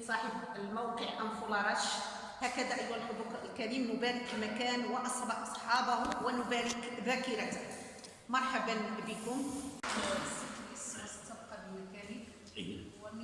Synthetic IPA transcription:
sˤɑħəbəlmawqəʕʔamfʊlɑɾˤɑʃ | hækəd̪æʔəjwænlħʊd̪uqlkæɾimnʊbæɾəklmækæːnwəʔɑsˤɑbɑħʔɑsˤħɑbahʊwənʊbæɾəkbækiɾæt̪h | mɑɾˤħabɑnbəkʊmwæsit̪ːʔəsst̪ːɑbqɑbimækænik | w

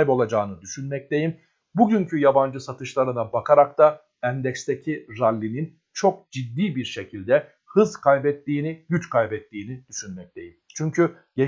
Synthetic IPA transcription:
ibo̞lˠad͡ʒaːnɯd̪yʃynmɛc̚t̪e̞jim | buɟyɲcʰyjaband͡ʒɯsat̪ʰɯʃlˠaɾɯnabakʰaɾakt̪a | ænd̪ɛcst̪ʰecʰiɾalʲːinin | t͡ʃʰo̞k̚d͡ʒid̪ːiːbiɾʃe̞cʰilʲd̪ɛ | hɯzkʰajbɛt̪ːiːniɟyt͡ʃkʰajbɛt̪ːiːnid̪̥yʃynmɛc̚t̪ʰe̞̰jimt͡ʃʰyɲcʰy | e

